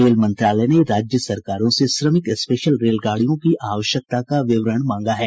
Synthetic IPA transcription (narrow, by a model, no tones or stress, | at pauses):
ɾeːlmɐ̃nt̪ɾaːlɛneɾaːd͡ʒjəsɐɾkaːɾõseʃɾəmɪkspeːʃəlɾeːlɡaːɽ̤ijõkiʔaːʋəʃjək̚t̪akaʋɪʋɾəɳ̃mãːŋɡaɦɛː